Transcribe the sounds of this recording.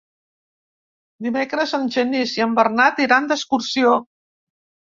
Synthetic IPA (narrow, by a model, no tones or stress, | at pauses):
d̪imekɾəzənʲʒəniziəmbərnat̪iɾand̪əskuɾsio